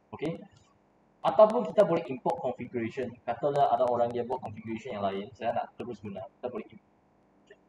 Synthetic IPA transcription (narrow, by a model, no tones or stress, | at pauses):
oke | ʔat̪awpũnkit̪abolɛhĩmpɔt̚kɔ̃nfiɡuɹeʃə̃nkat̪alaʔadawoɾãŋdiabaʔkɔ̃nfiɡuɾeʃɔ̃njãŋlajĩnsajana̰t̪əbusɡunaki̥t̪abolɛhimpɔt̚ | ke